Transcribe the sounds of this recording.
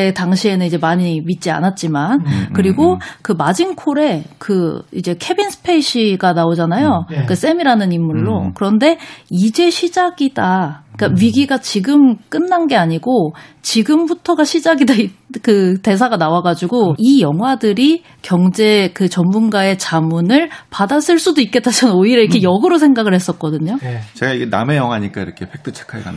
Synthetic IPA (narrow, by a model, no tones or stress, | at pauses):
etaŋɕʰie̞nɯnid͡ʑe̞maɲimit̚t͡ɕ͈ia̰nat̚t͡ɕ͈imankɯɾiɡokɯmad͡ʑinkʰoɾe̞kɯḭd͡ʑe̞kʰe̞binsʰɯ̥pʰe̞iɕʰiɡanaod͡ʑanajokɯs͈e̞miɾanɯnimːuɭːokɯɾʌnde̞id͡ʑe̞ɕʰid͡ʑaɡidaik͈aɥiɡiɡat͡ɕiɡɯmk͈ɯnːanɡe̞aɲiɡot͡ɕiɡɯmbutʰʌɡaɕʰid͡ʑaɡidaikɯte̞s̬ʰaɡanawaɡad͡ʑiɡoijʌŋɦwadɯɾi | kjʌŋd͡ʑe̞kɯt͡ɕʌmmunɡae̞t͡ɕamunɯɭpadas͈ɯɭs͈udoik̚k͈e̞t͈at͡ɕʰannoiɾeɾikʰe̞jʌɡɯɾosʰe̞ŋɡaɡɯɭhe̞s͈ʌt̚k͈ʌdɯɲot͡ɕe̞ɡaiɡena̰me̞jʌŋɦwaɲik͈a̰ḭɾʌkʰe̞pʰe̞k̚t͈ʰɯt͡ɕʰe̥kʰaɭɡa̰n